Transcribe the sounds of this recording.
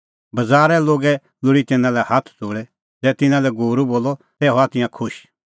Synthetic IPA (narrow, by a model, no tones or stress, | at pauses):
bɐd͡zaːɾɛloːɡɛ | lʊɽit̪ɪnãlɛhat̪ʰt͡soːɽɛ | zɛːt̪ɪ̃nãlɛɡuːɾuboːlːɔ | t̪ɛːɦɔat̪ɪ̃jãkʰʊʃ